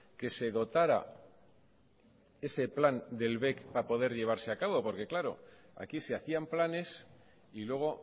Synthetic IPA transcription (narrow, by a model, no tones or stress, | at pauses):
ke̞se̞ðo̞t̪aɾa̰ | e̞se̞pland̪e̞lβe̞kpapo̞ð̞e̞ɾʎe̞β̞aɾse̞akaβo̞po̞ɾke̞klaɾo̞̰ | a̰kiseaθiamplane̞s | ilwe̞ɣ̞o̞